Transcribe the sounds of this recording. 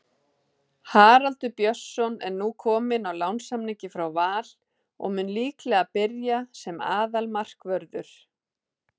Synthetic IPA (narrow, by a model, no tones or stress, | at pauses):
haːɾalt̪ʏpjœ̥sːɔnɛnːuːkʰɔːmɪnawlawnsamnɪcɪfɾawvaːl̥ | ɔ̰ɣmʏnliːklɛɣapɪɾjasɛma̰ːðalmar̥kvœɾðʏɾ̥